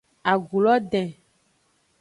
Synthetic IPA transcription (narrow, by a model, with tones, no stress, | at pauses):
a˨ɡu˨lɔ˦ɖɛ̃˨